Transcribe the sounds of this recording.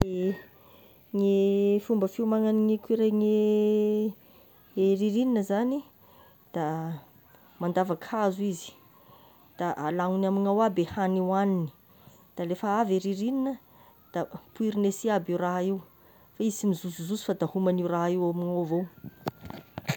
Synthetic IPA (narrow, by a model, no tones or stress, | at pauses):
e | ŋefumbəfiumaŋaniŋikiɾeŋe | eɾiɾininəzani | d̪̥a | mand̪avakʰazuizi̥ | d̪̥aʔalaŋunamiŋawabehaniwanini̥ | d̪̥alefəaveɾiɾininə | d̪̥apuiɾinesiabiuraɦiw | faizimizuzuzusi̥fad̪ahumaniuraɦiwamiŋavow